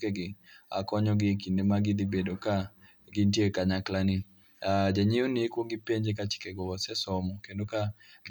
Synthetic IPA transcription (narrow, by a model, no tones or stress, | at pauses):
kɛɡɪa̰kɔɲɔɡɪkindemaɡɪd̪ibedoka | ɡɪntjekaɲaklani | ad͡ʒɛɲionikwoŋɡipeɲd͡ʒekat͡ʃɪ̥kɛɡɔɔsɛsɔmɔkendoka | ɡ